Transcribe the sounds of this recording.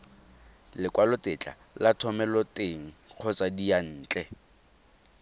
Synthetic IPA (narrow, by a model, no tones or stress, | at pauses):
lɪkʼwalʊtɪt͡ɬʼa̰ | latʰɔmɛlɔteŋ̩q͡χʰɔt͡sadijan̩ːt͡ɬʼɛ